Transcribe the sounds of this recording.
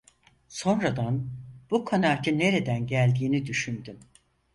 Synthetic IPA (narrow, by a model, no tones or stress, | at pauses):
so̞nɾad̪anb̥ukʰanaːt͡ʃʰɯne̞ɾe̞d̪ænɟælʲd̪iːnid̪yʃynd̪ym